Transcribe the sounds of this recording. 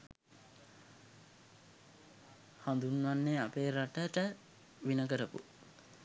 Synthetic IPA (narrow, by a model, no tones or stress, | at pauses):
hand̪unʋanːeapeːɾaʈəʈə | ʋinəɡəɾəpṵ